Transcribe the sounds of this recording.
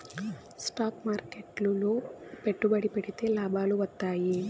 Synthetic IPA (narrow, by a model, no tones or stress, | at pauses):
sʈaːkmaːɾkeʈluloːpe̞ʈːubɐɽipeɽit̪e̞ːlaːbaːluʋɐt̪ːaːji